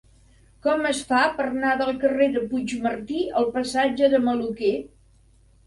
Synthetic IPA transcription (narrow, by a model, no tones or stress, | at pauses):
kɔməsfapəɾnaðəlˠkəreðəpud͡ʒmərt̪iəlˠpəsad͡ʒəðəməluke